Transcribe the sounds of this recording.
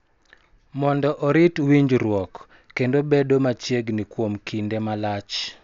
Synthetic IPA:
mɔndɔʔɔɾitwiɲd͡ʒɾwɔkː | endobedomat͡ʃjeɡnikwomkindemalat͡ʃ

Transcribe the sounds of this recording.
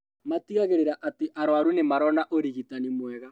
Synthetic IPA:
matiɣaɣeɾeɾaʔateʔaɾwaɾunemaɾɔnaʔoɾiɣitanimwɛɣa

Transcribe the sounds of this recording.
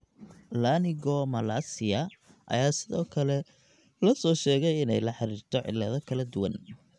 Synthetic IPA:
laːnɪɣɔmɐlaːsɪjɐ | ʔɐ̰jaːsɪðɔːkʰɐlɛ | lɐsɔːʃɛːɣɛjɪnɛjlɐħɑɾiːrt̪ʰɔʕɪ̰lɐðɔkʰɐlɐd̪ʊwɐ̰n

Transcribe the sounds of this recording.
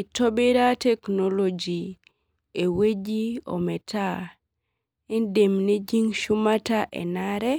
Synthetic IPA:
itobiɾatɛknolod͡ʒi | ewed͡ʒio̰mɛtʰa | indemned͡ʒiŋʃumataʔɛ̰naɾɛ

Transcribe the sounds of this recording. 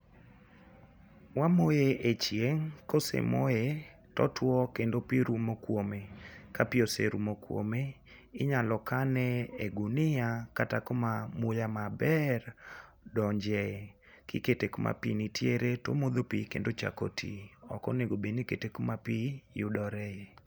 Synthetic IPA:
wamojeʔet͡ʃjeŋkosḛmoje | tɔtwɔkendopiɾumokwomekapɪosḛɾṵmokwo̰me | ɪɲalɔkanɛeɡunɪakatakomamʊjamabɛr | dɔɲd͡ʒɛ | kɪ̰ketekomʔa̰pḭnitjeɾeto̰mod̪opḭkḛndot͡ʃa̰ko̰tʰḭɔkɔ̰neɡobeniketekomapijʊdɔɾɛe

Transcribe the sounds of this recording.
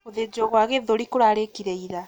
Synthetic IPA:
oðed͡ʒɔɣwaɣeðoɾikoɾaɾekiɾɛiða

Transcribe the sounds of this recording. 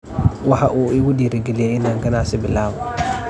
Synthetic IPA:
wɑħɑʔuːʔɪɣʊdiːɾɛɡɛlɪjɛɪnaːŋɡɐnaːsɪbɪlaːβɔ

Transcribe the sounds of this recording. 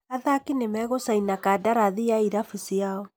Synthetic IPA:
aðakinemɛɣosainakadaɾaðiaiɾafisiaɔ

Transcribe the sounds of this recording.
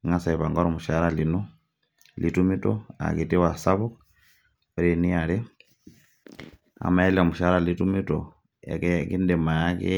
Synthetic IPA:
ŋasaiβaŋɡoɾomuʃaɾalino | lʔitumito̰a̰kitiwasaβuk | oɾeniali | a̰maeliomuʃaɾalitumito̰ | ḛkekindemajakḛ

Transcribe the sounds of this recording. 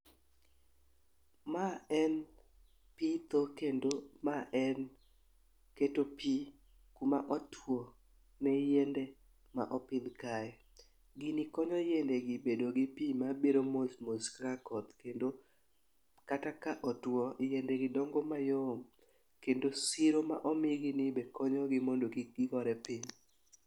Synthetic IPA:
maɛn | pit̪okendomaʔɛn | ketopi | kumaʔɔtwɔ | nɛjɛndɛ | ma̰ʔɔpid̪kaɛ | ɡinikɔɲɔjendɛɡɪbedoɡɪpimabiɾomosmoskɾakɔt̪kendo | katakaʔɔtwɔjɛndɛɡɪdɔŋɡɔmajom | kendosiɾomaʔɔmɪɡinibɛkɔɲɔɡɪmɔndoɡiɡikɔɾɛpiɲ

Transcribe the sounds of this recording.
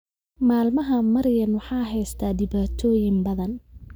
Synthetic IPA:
maːlmɐɦɐmɐɾjɐnwɑħɑːɦɛjst̪ʰaːɖɪβaːt̪ʰɔːjɪmbɐðɐn

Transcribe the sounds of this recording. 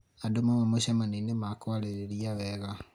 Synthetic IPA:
adomamamoɕamanenemakwaɾeɾeɾiaβɛɣa

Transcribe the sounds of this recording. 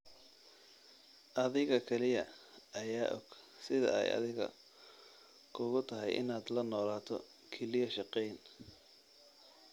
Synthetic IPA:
ʔɐðɪɣɐkʰɛlɪjɐɐjaːʔɔ̰ɡ̥sɪðɐ̰ɛ̰jɐ̰ðɪɣɐ̰ | kʰʊɣʊt̪ʰɐɦɛjʔɪ̰naːd̪lɐnɔːlaːt̪ʰɔ̰ | kʰɛlɪjɔʃɑqɛjn

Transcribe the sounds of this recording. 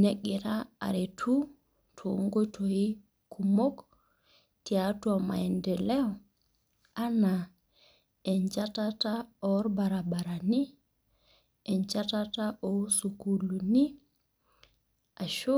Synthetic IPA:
neɡiɾaa̰ɾetʰu | tʰoŋɡotʰoji | kʰumok | tiatuama̰ɛndɛlɛɔ | ana | ɛnd͡ʒatataɔɾbaɾabaɾani | ɛnt͡ʃatataʔɔsukuluni | aʃo

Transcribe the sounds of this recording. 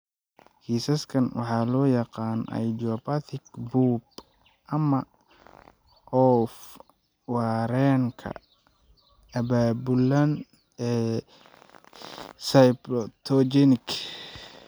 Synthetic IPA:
kʰiːsɐskʰɐnwɑ̰ħɑːlɔːjɑqɑːnɐ̰jd͡ʒɔbɐθɪkbuːb | ʔɐmɐ | ʔɔf | wɑːɾɛŋkʰɐ̰ | ʔɐbaːbʊlɐn | ɛː | sɐjbɾɔt̪ʰɔd͡ʒɛnɪk

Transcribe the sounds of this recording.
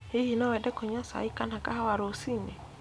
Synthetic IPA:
hihinɔwɛdɛkɔɲasa̰ikanakahawaɾosinɛ

